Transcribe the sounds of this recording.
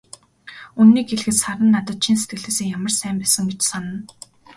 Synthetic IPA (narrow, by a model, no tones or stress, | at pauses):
unːiːkxeɮxɘ̆saɾə̆nːat̪ə̆t̪̚t͡ɕʰins̬et̪̚ɡɘ̆ɮeːseːŋjamə̆rsæːmpæːsə̆ŋɡet͡ɕsanə̆n